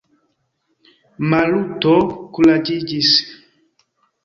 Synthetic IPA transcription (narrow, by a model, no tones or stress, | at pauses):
malutɔkulad͡ʒid͡ʒis